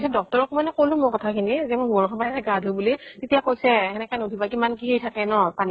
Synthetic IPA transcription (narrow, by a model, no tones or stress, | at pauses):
sɛdɔk̚tɔɹɔkumanɛkolʊ̃mʊkɔtʰakʰinizɛmoɡɔɹkʰɔbaɛɡadʱobulitetijakojsɛɛnɛkanudʱibakimankiɦejtʰakɛnɔpani